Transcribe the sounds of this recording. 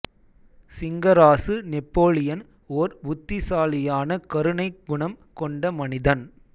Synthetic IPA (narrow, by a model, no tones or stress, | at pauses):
sɪŋɡɐɾaːsɯnɪpːoːlɪjɐn | oːɾbʊt̪ːɪsaːlɪjaːnɐkɐɾɯɳɐɪɡʊɳɐmkɔɳɖɐmɐnɪðɐn